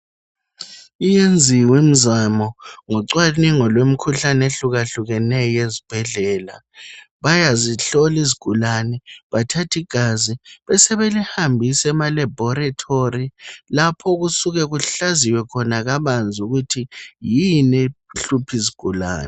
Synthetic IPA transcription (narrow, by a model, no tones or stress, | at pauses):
ijend͡zʱiwim̩zamɔŋɔǀwaniŋɔlwem̩kʰuɬaneɬuɣaɬuɣɛnɛjezib̥ʱɛɮɛːla̰ | βajaziɬɔliziɡ̥ʱulanɛβatʰatʰiɡ̥ʱaziβɛsɛβelihambʱisɛmalɛbʱɔɾatʰorilapʰɔɣusuɣɛɣuɬaziwɛkʰɔnaɣaβand͡zʱuɣutʰijinɛɬupʰiziɡ̥ʱula̰ːnɛ